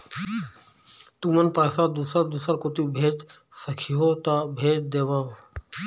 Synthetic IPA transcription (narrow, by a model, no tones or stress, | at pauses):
t̪umənpaːsaːd̪usəd̪uːsəɾkot̪ubʱeːd͡ʒ | səkʰiɦoːt̪abʱeːʈ̚d̪eːʋaːo